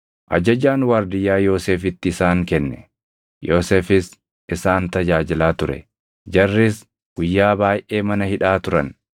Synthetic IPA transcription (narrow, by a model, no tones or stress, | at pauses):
ʔɐ̰d͡ʒɐd͡ʒaːnwaːɾd̪ɪjːaːjo̞ːseːfɪt̪ːɪɪsaːŋkɛnːɛ̰ | jo̞ːseːfɪs | ɪsaːnt̪ɐd͡ʒaːd͡ʒɪlaːt̪ʊɾɛ̰ | d͡ʒɐrːɪs | ɡ̥ʊjːaːbaːjʔe̞ːmɐnɐhɪᶑaːt̪ʊɾɐ̰n